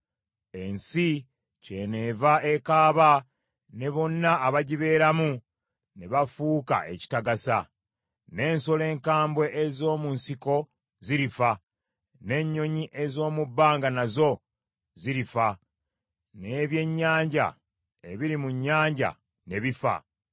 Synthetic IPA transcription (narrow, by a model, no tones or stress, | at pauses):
e̞nsi | ce̞ne̞ːvaʔe̞kaːβa | ne̞βo̞nːaːβaɟiβe̞ːɾamu | ne̞βafuːka̰ʔe̞̰ci̥taɡasa | ne̞ːnso̞le̞ːŋkaːmbwe̞ʔezo̞ːmunsiko̞ | ziɾifa | ne̞ɲːo̞ɲiʔe̞zo̞ːmubːaːŋɡanazo̞ | ziɾifa | neβje̞ɲːaːɲɟa̰ | e̞βiɾimuɲːaːɲɟa̰ | ne̞βifa̰